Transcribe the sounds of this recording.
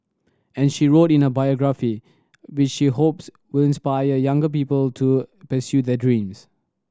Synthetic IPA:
ɛ̃nʃiɹotɪ̃nəbajɔɡɹafi | wɪt͡ʃʃiɦops | wɪlɪ̃nspajəjãŋɡəp̬iːpəltʰupəsjud̪ɛdɹĩms

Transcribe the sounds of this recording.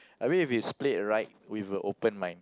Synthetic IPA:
ʔawĩifjuspletɹaɪt̚wivəʔopə̃nmãɪ̃n

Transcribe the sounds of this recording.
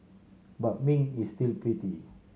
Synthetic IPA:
bat̚mĩŋistilpɹiti

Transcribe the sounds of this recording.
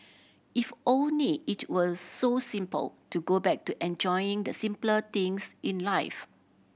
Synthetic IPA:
ifʔõnliːtwɔsosĩmpə̰ltuɡobɛk̚tuʔɛ̃nd͡ʒɔjĩŋd̪əsĩmplət̪ĩŋsĩnlaɪf

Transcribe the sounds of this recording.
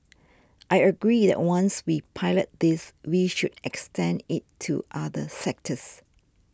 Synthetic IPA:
ʔajəɡɹiðɛ̰ʔ̚wãnswipʰaɪlət̚d̪ɪswiʃudɛkstʰɛ̃nɪtʰːṵʔaðəsɛk̚tʰəs

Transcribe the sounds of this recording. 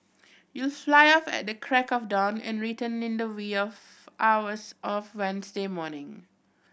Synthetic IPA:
julflaɪɔfɛ̰t̚dəkʰɹɛkɔfdɔ̃nɛ̰̃nɹitə̃nɪ̃ndəwiɔf | ʔawəsʔɔfwɛ̃nsdemɔnɪ̃ŋ

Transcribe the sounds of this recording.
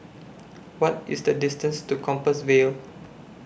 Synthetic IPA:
wɔtɪsdədɪstə̃nstukʰɔ̃mpəswel

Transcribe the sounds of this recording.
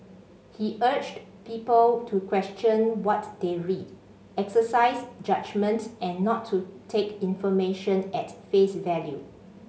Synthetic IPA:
hiʔɜt͡ʃt | pipəltʰukwɛstjɔ̃nwɔtdeɹid | ɛksəsaɪsd͡ʒad͡ʒmə̃ntʔɛ̃nːɔtʰːutʰekĩnfɔmeʃə̃nɛtfesvɛlju

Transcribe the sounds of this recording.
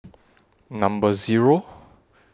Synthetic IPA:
nãmbəziɹo

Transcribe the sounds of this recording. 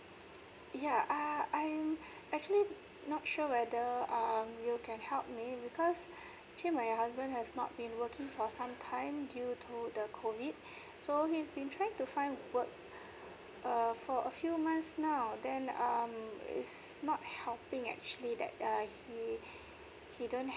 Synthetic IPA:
jaaãɪ̃m | ɛk̚t͡ʃuəli | nɔt̚ʃuəwɛdəʌmjukʰɛ̃nhɛlp̚mibikʰɔs | t͡ʃimaɪɦasbə̃ndhɛvnɔ̰t̚bĩnwəkʰɪ̃ŋfɔsãmtʰãɪ̃mdjutʰudəkʰovid̚ | sohisbĩntʰɹaɪ̃ŋtufãɪ̃ndwək̚ | ʔʌfɔʔəfjumãntsnaʊdɛ̃nʌmɪ̰tsnɔt̚hɛlpɪ̃ŋɛ̰k̚t͡ʃuəlidɛ̰t̚ʌhi | hidõn

